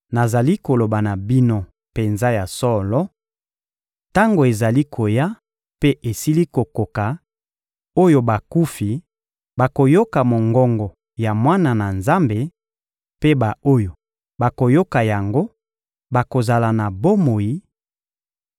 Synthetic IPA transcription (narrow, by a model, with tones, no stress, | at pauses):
na˨za˨li˦ko˨lo˨ba˨na˨bi˦no˦ | pe˨nza˦ja˨sɔ˦lɔ˦ | ta˦ŋɡo˨e˨za˨li˦kʰo˨ja˦ | pe˦ʔe˨si˦li˦ko˨ko˨ka˨ | o˦jo˦ba˨ku˦fi˨ | ba˨ko˨jo˦ka˨mo˨ŋɡɔ˦ŋɡɔ˨ | ja˨mwa˦na˨na˨nza˦mbe˨ | pe˦ba˨o˦jo˨ | ba˨ko˨jo˦ka˨ja˨ŋɡo˦ | ba˨ko˨za˨la˨na˨bo˦mo˨ji˨˦